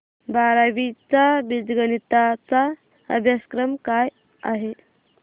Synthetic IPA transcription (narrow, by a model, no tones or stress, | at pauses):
baɾaʋit͡sabid͡zɡənit̪at͡sa | ə̰bʱjaskɾəmkaj | a̰ɦe